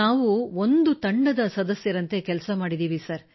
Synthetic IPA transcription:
aːʋuond̪ut̪ɐɳɖɐd̪ɐsɐd̪ɐsjɐɾɐnt̪e̞kɛlsɐmaːɽid̪iːʋisɐɾ

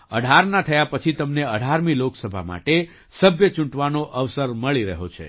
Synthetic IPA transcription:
ə̰ɖʱaɾnat̪ʰəjapət͡ʃʰit̪əmneəɽʱaɾmiloksəbʱa̰ma̰ʈe | səbjət͡ʃũɳʈʋanoʔəʋsəɾməɭiɾəɦot͡ʃʰḛ

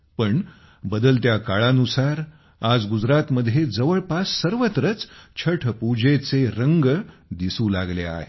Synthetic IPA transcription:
pəɳ | bəd̪əlt̪jakaɭanusaɾ | ad͡zɡud͡zɾat̪məd̪ʱːjed͡zəʋəɭpasːəɾʋət̪ɾət͡st͡ɕʰəʈʰəpud͡ʑet͡seɾəŋɡd̪isũːla̰ɡlea̰ɦe

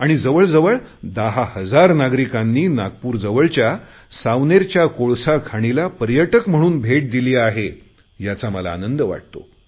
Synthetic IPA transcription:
aɽ̃id͡zəʋəɭd͡zəʋəɭd̪aɦahəd͡zaɾnaɡɾikanːiːnaɡ̚puːɾd͡zəʋəɭt͡ɕja | saʋneɾt͡ɕjakoɭsakʰaɽ̃ilapəɾjəʈəkm̤əɽ̃uːnbʱeʈ̚d̪iliːaɦe | jat͡saməla̰ːnənd̪əʋa̰ʈ̚t̪o̰

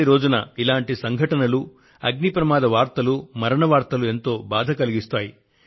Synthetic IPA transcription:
iɾo̞ːd͡ʒunɐilaːɳʈisɐŋɡʱɐʈɐnɐlu | ɐɡnipɾɐmaːd̪ʱɐʋaːɾt̪ɐlumɐɾɐɳɐʋaːɾt̪ɐlue̞nt̪o̞ːbaːd̪ʱɐkɐliɡist̪aːji

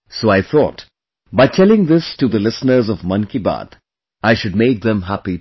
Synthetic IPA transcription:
soːaɪθɔ̰ːt | baɪtʰɛlɪ̃ŋd̪ɪstuðəlɪsnə˞zɔvmʌ̃nkiba̰ːd̪ | aɪʃʊd̚meɪk̚ðə̃mɦæpi

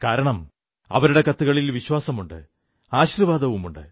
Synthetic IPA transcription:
kaːɾɐɳɐm | ɐ̰ʋɐɾuɽe̞kɐt̪ːuɣɐɭilʋiɕwaːsɐmuɳɖɨ̰ | aːɕirʋaːd̪ɐʋumuɳɖɨ̰

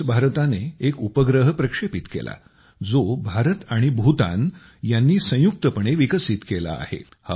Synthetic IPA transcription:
bʱaɾt̪aneekupəɡɾəɦəpɾəkʂepit̪kḛla̰ | d͡zobʱaɾət̪aɽ̃ibʱut̪a̰n | janːiːsə̃juk̚t̪əpəɳ̃eʋikəsiːt̪kela̰ːhḛ | ha

